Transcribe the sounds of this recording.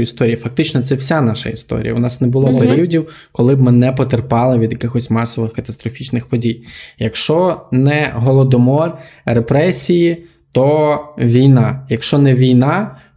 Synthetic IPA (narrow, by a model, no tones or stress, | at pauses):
ist̪ɔɾʲijifɐk̚t̪ɪt͡ʃnɔt̪sɛwsʲanɑʃɐ̰ḭst̪ɔ̰ɾ̰ʲjɐ̰ʊnɑsnɛbʊlˠɔpeɾʲiwɔdʲiw | kɔlˠɪb̚mɪnɛpɔt̪erpɑlˠɪʋʲid̪jɐkɪxɔsʲmɑsɔʋɪxkɐt̪ɐst̪ɾɔfʲit͡ʃnɪxpɔdʲijjɐkʃt͡ʃɔnɛɦɔlˠɔd̪ɔmɔrrepɾɛsʲiji | t̪ɔʋʲijnɑjɐkʃt͡ʃɔnɛʋʲijnɑ